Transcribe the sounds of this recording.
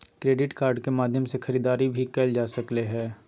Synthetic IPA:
kɾeːɖɪʈkaːɾɖkemaːd̪ʱjəmsexɐɾiːd̪aːɾibʱikɛːld͡ʒaːsɐkleɦɛː

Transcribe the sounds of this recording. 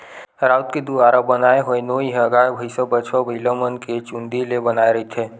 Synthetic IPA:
ɾaːʊt̪ked̪uaːɾabənaːeɦoenoːiɦəɡaːebʱəɪsabət͡ʃwabələmənket͡ʃʊ̃nd̪ilebənaːeɾɐɦit̪ʰeː

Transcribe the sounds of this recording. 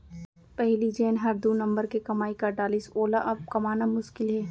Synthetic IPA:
pɛɦlid͡ʒeːnɦɐɾd̪unɐ̃mbəɾkekɐmaːikaɖaːlisoːlaʔɐb̚kɐmaːnamʊʃkɪlɦɛː

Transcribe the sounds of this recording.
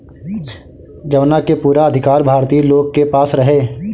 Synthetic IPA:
d͡ʒɐʋnakepuːɾaɐd̪ʱɪkaːɾbʱaːɾt̪iːloːɡ̚kepaːsɾɐɦeː

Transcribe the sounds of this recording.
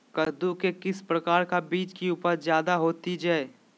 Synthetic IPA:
kɐɾd̪ukekɪspɾɐkaːɾkabiːt͡ʃkiuːpəɾzjaːd̪aɦoːt̪id͡ʒaːe

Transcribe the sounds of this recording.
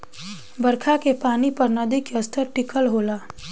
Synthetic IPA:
bɐɾkʰakepaːnipɐɾnɐd̪ikəst̪ʰəɾʈɪkəlɦoːlaː

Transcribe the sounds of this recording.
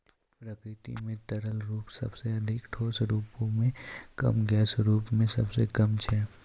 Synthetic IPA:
pɾəkɾɪt̪ḭmẽʈɐɾəlɾuːpsɐ̰bseɐd̪ʱɪkʈʰoːsɾuːpõmẽkɐ̰mɡɛːsɾuːpmẽsɐbsekəmt͡ʃʰɛː

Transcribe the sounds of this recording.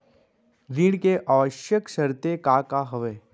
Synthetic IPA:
ɾiːɽkeʔaːʋəʃjəkʃəɾt̪ekakaɦəʋeː

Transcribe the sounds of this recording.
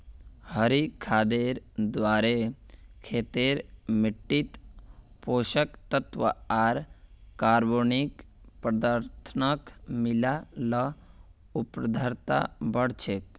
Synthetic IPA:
həɾikʰaːd̪eːɾd̪ʋaːɾekʰeːt̪eɾmɪʈːit̪ | poːʃəkt̪ət̪ʋə̰aːɾkaːɾboːnik | pɾəd̪əɾt̪ʰənəkmɪlalə | ʊpɾəd̪ʱəɾt̪a̰bəɽ̤t͡ʃʰek

